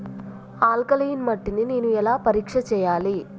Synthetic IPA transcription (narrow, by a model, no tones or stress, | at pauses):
aːlkɐlɐjinmɐʈːinineːnuɛlaːpɐɾiːkʂɐt͡ʃɛːjaːli